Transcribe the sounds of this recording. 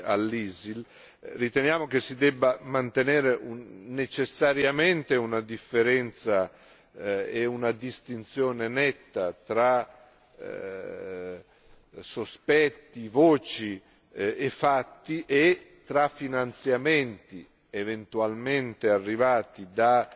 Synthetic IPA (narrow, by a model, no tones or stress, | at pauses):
a̰lːiːzil | rit̪enjaːmok̟esːid̪ɛbːamant̪eneːɾeunet͡ʃesːaɾjament̪eunad̪ifːeɾɛnt̪sa | eunad̪ist̪int̪sjɔːnenɛt̪ːat̪ɾa | sospɛt̪ːivɔːt͡ʃi | efat̪ːiʔet̪ɾafːinant̪sjament̪i | event̪ualment̪earːivaːt̪id̪a